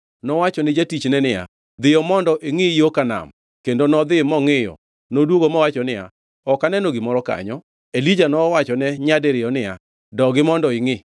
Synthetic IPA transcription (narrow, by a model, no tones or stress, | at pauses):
nɔwat͡ʃɔnɪd͡ʒatit͡ʃnɛnɪja̰ | d̪ɪjɔmɔndɔʔɪŋɪjokana̰m | kendonɔd̪ɪmɔŋɪjɔ̰ | nodwoɡomɔwat͡ʃɔnɪja̰ | ɔkanɛnɔɡɪmɔɾɔka̰ɲɔ | elid͡ʒanɔwat͡ʃɔnɛɲadeɾɪjɔnɪja̰ | dɔɡɪmɔndɔɪŋɪ